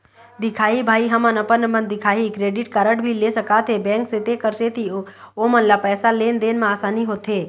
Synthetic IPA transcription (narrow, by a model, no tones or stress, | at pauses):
d̪ɪkʰaːibʱaːiɦɐmənəpəɾnəbə̃nd̪ɪkʰaːikɾeːɖɪʈ̚kəɾəʈbʱilesəkaːt̪ʰɦebɛ̃ːŋkset̪ekəɾseːt̪ʰioːmənlapɛːsaleːnd̪eːnmẽaːsaːniɦoːt̪ɦeː